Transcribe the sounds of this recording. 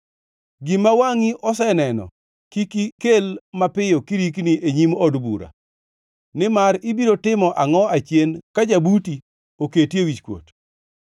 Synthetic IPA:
ɡɪmawaŋiʔɔsɛnɛnɔ̰ | kikikelmapɪjokiɾik̬niʔeɲimɔdbṵɾa̰ | nɪmaɾɪbiɾotɪmɔʔaŋɔat͡ʃjenkad͡ʒabuti | oketjewit͡ʃkwo̰t

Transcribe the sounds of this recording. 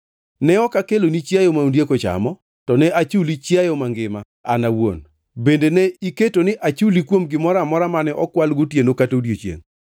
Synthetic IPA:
nɛɔkakelonit͡ʃjajomaundjekot͡ʃa̰mɔ | tɔnɛʔat͡ʃulit͡ʃjajɔmaŋɡɪma | a̰nawo̰n | bendeneiketonɪʔat͡ʃulikwomɡɪmɔɾamɔɾamanɛʔɔkwalɡutjenokatodjot͡ʃjḛŋ

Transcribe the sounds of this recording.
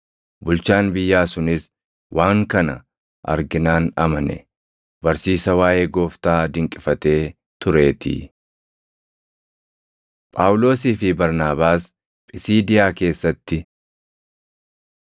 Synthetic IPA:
bʊlt͡ʃaːnbɪjːaːsʊnɪs | wʔaːŋkɐnɐ̰ | ʔɐ̰ɾɡɪnaːnɐmɐnɛ̰ | bɐɾsiːsɐwaːʔe̞ːɡo̞ːft̪aːd̪ɪŋkʼɪfɐt̪e̞ː | t̪ʊɾe̞ːt̪ɪ̰ | pʼaːwʊlo̞ːs̬iːfɪbɐɾnaːbaːs | pʼɪsiːd̪ɪjaːke̞ːsːɐt̪ːɪ

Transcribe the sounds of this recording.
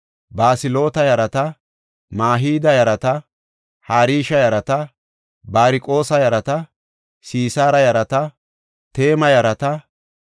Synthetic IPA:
baːsɪlo̞ːt̪ɐjɐɾɐt̪ɐ | maːɦiːd̪ɐjɐɾɐt̪ɐ | haːɾiːʃɐjɐɾɐt̪ɐ | baːɾɪkʼo̞ːsɐjɐɾɐt̪ɐ | siːsaːɾɐjɐɾɐt̪ɐ | t̪e̞ːmɐjɐɾɐt̪ɐ

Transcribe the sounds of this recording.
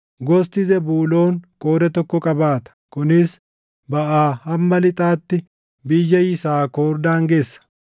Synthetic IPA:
ɡɔst̪ɪzɛbuːlo̞ːŋkʼoːd̪ɛt̪ɔkːɔkʼɐbaːt̪ɐ̥kʊnɪs | bɐʔaːhɐmːɐlɪt̪ʼaːt̪ːɪ | bɪjːɐjɪsaːkoːɾd̪aːŋɡeːsːɐ̥

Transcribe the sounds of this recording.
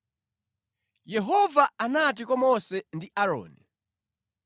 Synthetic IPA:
jɛɦɔvaanat̬ikwɔmɔsɛndiʔaɾɔ̰ːnɛ

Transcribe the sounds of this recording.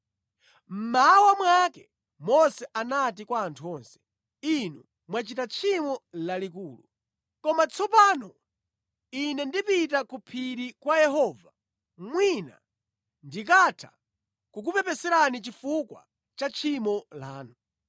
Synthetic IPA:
m̩mawamwakɛ | mɔsɛʔanatikwaːntʰuɔnsɛ̥ | inu | mwat͡ʃitat͡ʃʰimɔlalik̬uːlṵ | kɔmat͡sʰɔpanɔ | inɛndipit̬akupʰiɾikwajɛhɔːva | mwina̰ | ndikatʰḁ̰ | kuk̬upɛpɛsɛɾanit͡ʃifukwa̰ | t͡ʃat͡ʃʰimɔla̰ːnu

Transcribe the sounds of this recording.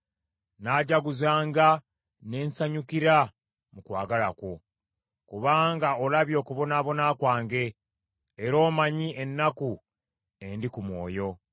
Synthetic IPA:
naːɟaɡuzaːŋɡa | ne̞ːnsaɲukiɾa | mukwa̰ːɡalakwo̞ | kuβaːŋɡao̞laβjo̞ːkuβo̞naːβo̞naːkwaːŋɡe̞ː | ɾo̞ːmaɲiʔe̞nːaku | e̞ndikumwo̞ːjo̞

